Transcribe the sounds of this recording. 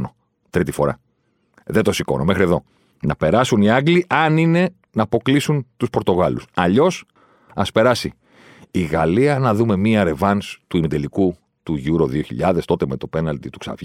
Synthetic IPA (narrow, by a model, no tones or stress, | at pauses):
no | t̪ɾit̪ifo̞ɾɐ̰ | ðet̪osiko̞̰nomexɾie̞ðo̞̰ | nɐpe̞ɾɐsuniɐŋɡliʔɐnine̞ | nɐːpo̞klisunt̪uspo̞ɾt̪o̞ɣɐlusɐʎo̞s | ɐspe̞ɾɐsiː | ɣɐliɐnɐðume̞miɐɾe̞vɐnst̪uimid̪eliku | t̪uʝuɾo̞ðio̞çḭʎɐðe̞st̪o̞t̪eme̞t̪o̞pe̞nɐlt̪it̪uksɐ̰v